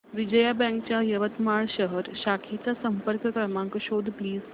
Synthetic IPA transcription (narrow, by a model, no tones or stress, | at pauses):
ʋid͡ʑəjabɛ̃ŋkt͡ɕjajəʋət̪maɭɕəɦəɾɕakʰit͡sasəmpəɾkəkəɾmãŋkəɕod̪ʱpliːz